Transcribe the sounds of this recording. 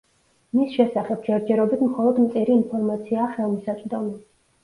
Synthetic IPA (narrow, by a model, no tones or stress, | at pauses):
misʃɛsaχɛb̚d͡ʒɛɾd͡ʒɛɾɔbit̪ʰmχɔlˠɔd̪mt̪sʼiɾiːnpʰɔɾmat̪sʰiaχɛlˠmisat̪t͡ʃ̪ʼd̪ɔmɛ